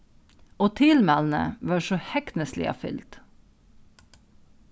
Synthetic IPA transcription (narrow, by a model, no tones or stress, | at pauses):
oːt̪ʰɪlmæln̩ə̰ʋɑːʃoːhɛknəslɪ̰ɑ̰fʏ̰lt̪